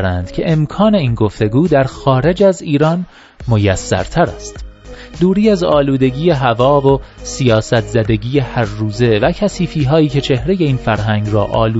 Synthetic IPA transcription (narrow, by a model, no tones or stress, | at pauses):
ɾænd̪̥cʰe̞ʔemkʰɒːne̞iːnɡo̞ft̪e̞ɡuːd̪æɾxɒːɾe̞d͡ʒæziːɾɒːn | mojæsːæ̰ɾt̪ʰæɾæ̰st̪d̪uːɾiːæzɒːluːd̪e̞ɟiːje̞ɦævɒːvosijɒːsæt̪ʰzæd̪e̞ɟiːjehæɾːuːze̞væcʰæsiːfiːɦɒːiːcʰe̞t͡ʃʰe̞hɾe̞je̞iːnfæɾɦæŋɡrɒːʔɒːluː